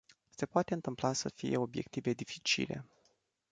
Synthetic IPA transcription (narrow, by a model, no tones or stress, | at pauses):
se̞poat̪e̞ɨnt̪ɨmplasəfije̞o̞bje̞̰k̚t̪ive̞d̪ifi̥t͡ʃḭle̞̰